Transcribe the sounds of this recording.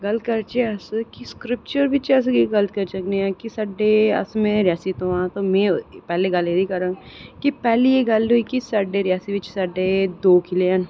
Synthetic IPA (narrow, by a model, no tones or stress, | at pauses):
ɡɐlkɐɾt͡ʃeɐskiskɾɪp̚t͡ʃəɾbɪt͡ʃːs̬ɡeɡɐlət̪̚kɐɾt͡ʃɐkneãkisɐɖːeɐ̰smẽɾɪjaːsit̪oãt̪omẽpɛːleɡɐljed̪ʱikɐɾãː | kipɛːlejeɡɐluikisɐɖeɾɪjaːsibɪt͡ʃsɐɖed̪oːkʰilean